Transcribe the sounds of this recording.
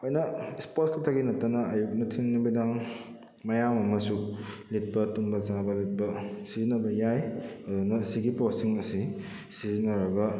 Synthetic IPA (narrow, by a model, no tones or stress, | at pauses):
ojnɐispotskʰɐtʰaɡinɐtːanɐːjuk̚nɐtʰiŋnumidaŋ | mɐjamɐmɐsulit̚pɐtumbɐzabɐlit̚pɐsizinɐbɐjajɐdunɐsiɡiposiŋɐsi | sizinɐɾɐɡɐ